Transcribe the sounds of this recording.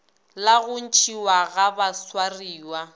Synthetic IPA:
laɣʊn̩t͡ʃʰʼiwaɣabaswariːwa

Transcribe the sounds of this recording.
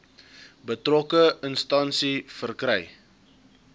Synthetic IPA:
bətrɔkəənstɐnsifərkrɛj

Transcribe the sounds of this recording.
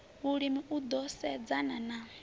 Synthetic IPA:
βuɺimiʔud̪ɔsɛd͡zanana

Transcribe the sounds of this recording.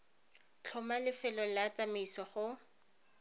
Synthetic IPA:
t͡ɬʰɔmalɪfɛlɔlat͡sʼamisɔχʊ

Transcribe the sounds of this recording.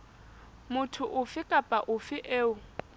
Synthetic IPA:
mʊtʰʊʔʊfɪkʼapʼaʔʊfɪʔeːʊ

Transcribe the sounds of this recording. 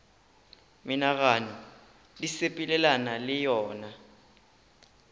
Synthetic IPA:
minak̬aːnɔ | lisepʼilɛlanalɛjɔːna

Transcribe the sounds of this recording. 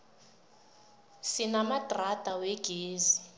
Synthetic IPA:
sinamadratʼaweɡ̥ʱeːzi

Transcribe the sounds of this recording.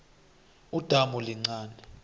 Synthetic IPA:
ud̥ʱamuliŋ͡ǀaːnɛ

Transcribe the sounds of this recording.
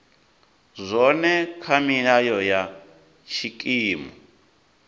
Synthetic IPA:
zʷɔnɛkʰamiajɔja | ʃʰikʼiːmɔ

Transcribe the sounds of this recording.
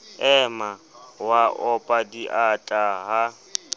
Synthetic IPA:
ɛmawaʔɔpʼadiʔatʼaɦa

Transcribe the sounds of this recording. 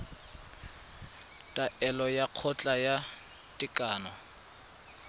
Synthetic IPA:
tʼaʔɛlɔjaq͡χʰɔt͡ɬʼaja | tʼɪkʼaːnɔ

